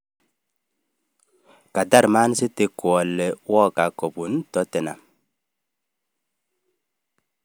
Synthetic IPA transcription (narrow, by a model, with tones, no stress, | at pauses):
ka˨da˦ɾma˦n˦sɪ˦te˨˦kwɔ˨lːɛ˨wɔ˦ka˨kɔ˨bu˨ntɔ˨˦te˨na̰˨m